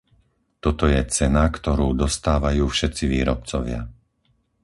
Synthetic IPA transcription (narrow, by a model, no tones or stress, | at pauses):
t̪ɔt̪ɔjɛt͡sɛnakt̪ɔɾuːd̪ɔst̪aːʋajuːfʃɛt̪t͡siʋiːɾɔp̚t͡sɔʋɪa̰